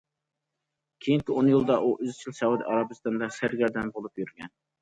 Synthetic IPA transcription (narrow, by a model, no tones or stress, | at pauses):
kʲʰejiŋkʲɪonjilˠd̪ɑʔuʔyzt͡ʃʰilsɑwud̪ḭʔɑɾɑbɨst̪ɑnd̪ɑsæɾɡʲɛɾd̪ɛnbolˠupjyɾɡʲɛ̰n